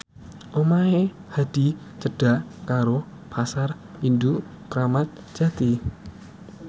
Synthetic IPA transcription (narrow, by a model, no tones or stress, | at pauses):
ʔomae | had̥i̤ | t͡ʃəɖ̥a̤kaɾo | pʰasar | indu | kɾamat̪̚ | d͡ʒ̥a̤t̪i